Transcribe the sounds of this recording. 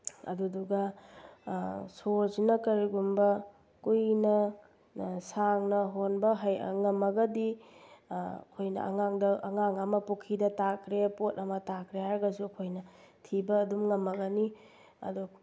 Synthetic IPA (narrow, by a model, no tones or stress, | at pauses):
ɐ̰duduɡɐ | soznɐkɐɾiɡumbɐ | kujnɐ | saŋnɐɦonbɐɦaj̰ŋɐmɐɡɐdi | kʰojnɐ̰ɐ̰ŋaŋdɐʔːŋaŋɐmɐpukʰidɐtakɾepotɐmɐtakɾehaɾɐɡɐsuɐkʰojnɐtʰibɐːdumŋɐmɐɡɐni | ɐ̰du